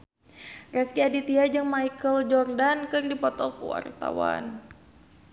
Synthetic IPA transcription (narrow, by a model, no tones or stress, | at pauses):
rɛskiadit̪iad͡ʒɨŋmajkəld͡ʒɔrdankɨrdipɔt̪ɔkṵwa̰rt̪a̰wa̰n